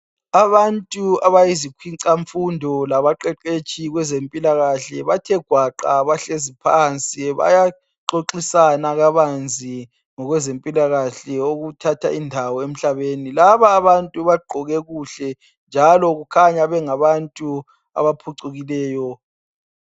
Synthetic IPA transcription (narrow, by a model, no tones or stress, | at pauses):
aβantʼuaβajizikʰwiǀaɱfundʱɔlaβaǃɛǃet͡ʃʰʼiɣwɛzempʼilaɣaɬɛβatʰɛɡ̥ʱwaǃa̰βaɬezipʰant͡sʼiβa̰ja | ǁoǃisanaɣaβand͡zʱi | ŋɔɣwɛzempʼilaɣaɬɛoɣutʰatʰa̰indʱawɔem̩ɬaβenilaβaːβantʼuβaɡ͡ǃʱɔɣɛɣuɬɛ | nd͡ʒʱalɔɣukʰaɲaβɛŋaβantʼu | a̰βapʰuǀuɣilɛːjɔ